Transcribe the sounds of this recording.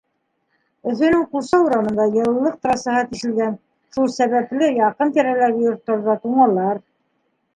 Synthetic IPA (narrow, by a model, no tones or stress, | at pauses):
ɵ̆θɵ̆nɘŋqusɑuɾɑnɤ̆nd̪ɑjɤ̆lˠːɤq̚t̪rɑsɑhɑt̪iʃɘ̆lɡæn | ʃulˠsæβæplɘjɑqɤnt̪æɾælæɡɘjŏɾt̪ːŏɾðɑt̪uɴɑlˠɑɾ